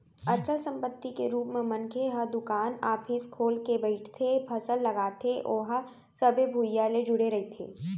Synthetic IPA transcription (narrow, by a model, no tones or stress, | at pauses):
ɐtːʃʰasɐ̃mpət̪ːikeɾuːpmẽmɐ̃nkʰeɦɐɾd̪ʊkaːnaːpʰɪskʰoːlkebɐɪʈʰt̪ʰepʰɐsəlːɐɡaːt̪ʰeʔoːɦa | sɐbʱebʱuːjːaled͡ʒʊɽeɾɐɦet̪ʰḛː